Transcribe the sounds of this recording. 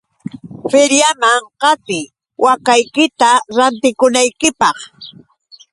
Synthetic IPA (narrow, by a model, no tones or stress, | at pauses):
fɪɾjamaŋqɑt̪ɪ | wakajkɪt̪aɾant̪ɪkʊnajkɪpɑχ